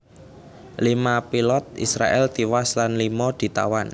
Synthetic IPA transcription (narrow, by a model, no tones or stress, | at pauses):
limapilɔt̪̚ḭsɾa̰ʔɛld̪̥iwaslanlimɔd̪̥i̤t̪a̰wan